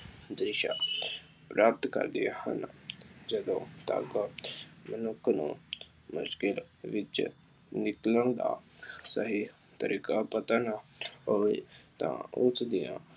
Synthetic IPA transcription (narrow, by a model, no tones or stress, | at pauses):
d̪ɾɪʃa̰ | pɾaːp̚t̪kə̰ɾd̪ɪjahə̰nd͡ʒəd̪õt̪a̰k | mənʊkʰnṵ̃ | mʊ̰ʃkɪl | ʋɪt͡ʃ | nɪkləñd̪a̰səɦi | t̪əɾʔiːkapət̪anaɦoet̪ã̰ʊt͡ʃd̪ɪjã̰ː